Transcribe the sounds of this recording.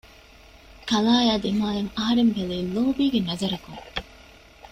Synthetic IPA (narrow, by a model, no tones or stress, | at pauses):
kɐlaːjaːd̪emaːlɐŋɐɦɐɾembeleːloːbiːɡenɐzɐɾɐkuŋ